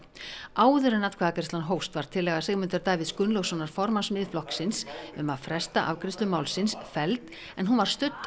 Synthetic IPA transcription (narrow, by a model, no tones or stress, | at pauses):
aːwðʏɾʏnat̪kʰvɛːðakɛɾ̥st̪lanɦoːwst̪vaɾ̥t̪ʰɪlːɛɣasɛːɣmʏnt̪ʏɾt̪aːvɪðskʏnlowɣsɔnaɾ̥fɔɾmansmɪðflɔhksɪnsʏmaðfɾɛst̪aʔawkɾɪst̪lʏmaːwlsɪnsfɛlt̪ | ɛnɦunvaɾ̥st̪ʏt̪n